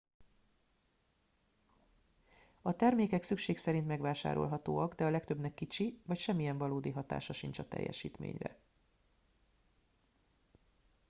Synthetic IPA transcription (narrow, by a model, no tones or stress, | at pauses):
ɒt̪ɛrmeːkɛksykʃeːksɛɾint̪mɛɡʋaːʃa̰ːɾo̞̰lɦɒt̪oːɒɡd̪ɛɒlɛkt̪øbnɛkːit͡ʃivɒcʃɛmːijɛɱvɒloːd̪iɦɒt̪a̰ːʃɒʃint͡ʃɒt̪ɛ̰jːɛ̰ʃḭːt̪mḛːɲrɛ̰